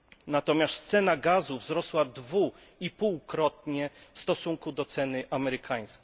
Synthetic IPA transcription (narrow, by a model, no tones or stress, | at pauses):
nat̪ɔmʲjast̪t̪sɛnaɡazuvzɾɔswad̪vu | ipuwkɾɔt̪̚ɲɛfst̪ɔsuŋkud̪ɔt̪sɛnɘʔamɛɾɘkʰaj̃skʲ